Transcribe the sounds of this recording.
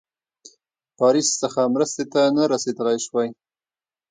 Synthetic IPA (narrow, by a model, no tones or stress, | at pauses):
pɑɾisːəxamɾəst̪et̪anaɾased̪əlajʃwaj